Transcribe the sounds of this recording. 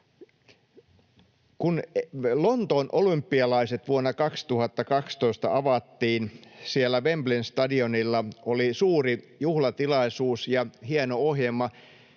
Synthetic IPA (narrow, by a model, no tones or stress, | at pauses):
kunlont̪oːnʔolympːiɑlɑiset̪ʋuonːɑkɑkst̪uhɑt̪ːɑkɑkst̪o̞ist̪ɑ̰ɑʋɑt̪ːiːnsielːæʋemblinst̪ɑdionilːɑolisuːri | juhlɑt̪ilɑisuːsjɑhienoohjemːɑ